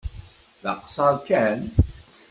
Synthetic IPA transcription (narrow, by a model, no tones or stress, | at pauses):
ðɑqsˤɑɾkæn